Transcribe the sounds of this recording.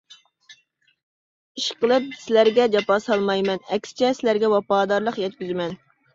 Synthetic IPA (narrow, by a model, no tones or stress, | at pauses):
iʃqəlˠɨp̚sɪlæɾɡʲɛd͡ʒɑpɑsɑlˠmɑjmɛnɛkʲsɪ̥t͡ʃʰɛsɪlæɾɡʲɛwɑpɑːd̪ɑɾlˠəqjɛt̪̚kʲyzmɛn